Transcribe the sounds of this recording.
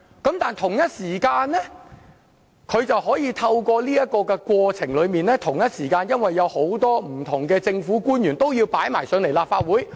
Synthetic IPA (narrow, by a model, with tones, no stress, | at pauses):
kɐ˨˥mt̪aː˨nt̪ʰʊ˨˩ŋjɐ˥t̚siː˨˩kaː˧nlɛː˥ | kʰɵ˨˧ɥt͡sɐ˨whɔː˨˥jiː˧t̪ʰɐ˧wkʷɔː˧liː˥jɐ˥t̚kɔː˧kɛ˧kwɔː˧t͡sʰɪ˨˩ŋlɵ˨˧ɥmiː˨nlɛː˥t̪ʰʊ˨˩ŋjɐ˥t̚siː˨˩kaː˧njɐ˥nwɐ˨jːɐ˨˧who˨˥wt̪ɔː˥m̩˨˩t̪ʰʊ˨˩ŋkɛː˧t͡sɪ˧ŋfuː˨˥kuː˥njyː˨˩nt̪o˥wjiː˧wpaː˨˥jmaː˨˩jsɵ˨˧˥nle˨˩jlaː˨p̚faː˧t̚wuː˨˥j